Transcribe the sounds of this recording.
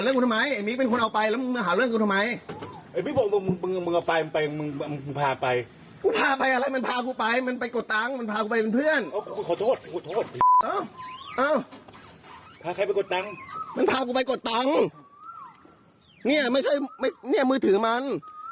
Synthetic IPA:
a˨˦lɯ˥˩˨ŋkːu˧t̪ʰma˧˥ja˨˩jmiː˦˧˥pe˧nkʰo˧nʔa˧wpa˧jlɛː˦˥m˧mɯ˧ɦaː˨˦ɾlɯ˥˩˨ŋkːt̪ʰma˨˦˥jʔa˧˩miː˧˥˩bɔː˧˩˧ɯ˧mɯ˧ŋmɯ˧ŋ˧ŋmɯ˧ŋʔa˧˩wpa˧jma˧npa˧jmɯ˧ŋ˧m˧ɯ˧pʰaː˧pa˧j | kuː˧˩pʰaː˧pa˧jʔa˧la˧˥˩jma˧npʰaː˧k̬uː˧pa˧jma˧˥npa˧jko˨˩t̪̚ːa˧˥ŋma˧npʰaː˧kuː˧˩pa˧jpe˧npʰɯ˥˩˨ənʔaː˧˩kkʰu˧kʰɔː˨˦t̪ʰoː˥˩t̪̚kʰu˧ku˧˩t̪ʰoː˥˩t̪̚ʔɤː˧˩ʔɤː˧˩ | pʰaː˧kʰa˧˩jpa˧jko˨˩t̪ːa˧˥ŋma˧˥npʰaː˧kuː˧˩pa˧jko˨˩t̪ːa˧˥ŋ | ni˥˩ɐma˥˩jt͡ɕʰa˥˩jma˥˩jni˥˩ɐmɯː˧˩t̪ʰɯː˨˦ma˧˥n

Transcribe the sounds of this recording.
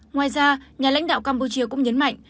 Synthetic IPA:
ŋwaː˨˩jzaː˧ɲaː˨˩la̰˧˥jŋ̟ɗa̰ː˧˨wkaː˧mpu˧t͡ɕi˧əkʊ̰˧˥ŋ͡mɲə˨˦nma̰˧˨jŋ̟

